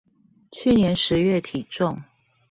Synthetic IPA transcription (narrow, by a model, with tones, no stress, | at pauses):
t͡ɕʰy˥˨njɛ˧˦nʂɻ̩˨˦ɥɛ˥˨t̪ʰi˨˩ʈ͡ʂʊ˥˨ŋ